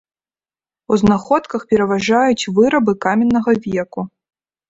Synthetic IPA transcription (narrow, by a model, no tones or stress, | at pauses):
uznaxɔt̪kɐxpʲɛɾɐvaʐajut͡sʲvɨɾɐbɨkamʲɛnːɐɣɐvʲɛku